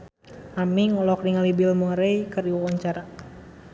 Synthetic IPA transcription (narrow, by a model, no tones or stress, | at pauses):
amiŋɔlɔk̚diŋalibilmoɾejkərdiwawaɲt͡ʃaɾa